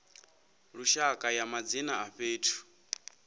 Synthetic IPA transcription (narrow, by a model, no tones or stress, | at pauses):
ɺuʃakʼajamad͡zinaaɸeːtʰu̥